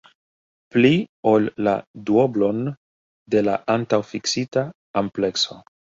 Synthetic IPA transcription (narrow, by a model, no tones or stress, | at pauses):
plio̞lːa̰duoblo̞n | de̞laʔantawfiksita | ample̞kso